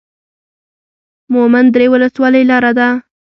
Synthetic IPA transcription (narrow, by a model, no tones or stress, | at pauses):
mʊmand̪ɾewʊləswɑləjlɑɾad̪a